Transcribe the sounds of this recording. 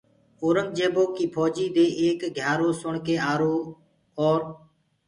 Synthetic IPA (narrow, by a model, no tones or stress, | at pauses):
oːɾəmd͡ʒeːboːkiːpʰoːd͡ʒiːd̪eːʔeːkɡʱjaːɾoːsʊɳkeːaːɾoː | ɔːɾ